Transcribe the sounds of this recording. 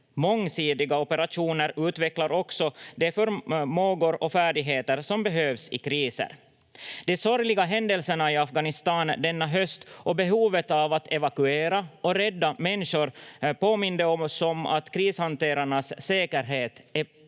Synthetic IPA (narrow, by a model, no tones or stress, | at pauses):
mɔŋːsiːd̪ɪɡaɔpɛɾaʂuːnəɾʉ̟ːt̪vɛklaɾɔksɔd̪ɛfœɾmoːɡʊɾɔfæːɖɪɡɦeːt̪əɾsɔmbɛɦøːvsɪ̰kɾiːsə̰ɾ | d̪ɛsɔɾlɪɡaɦɛnd̪ɛlsəɳaɪafɡanɪst̪ɑːnd̪ɛnːaɦœst̪ʔɔbɛɦuːvət̪avat̪ʰɛvakʉeːɾaʔɔɾɛd̪ːamɛnːʂʊɾpoːmɪnd̪əɔmsɔma̰t̪kʰɾiːshant̪eːɾaɳasːeːkəɾɦeːt̪ɛ